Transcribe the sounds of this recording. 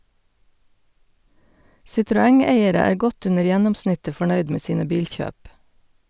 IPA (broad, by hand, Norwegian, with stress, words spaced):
sɪtɾʊˈɛŋˌeɪəɾə ˈæːɾ ˈɡɔt ˈʉnəɾ ˈjænɔmˌsnɪtə fɔˈɳœʏd ˈmeː ˈsiːnə ˈbiːlˌçøːp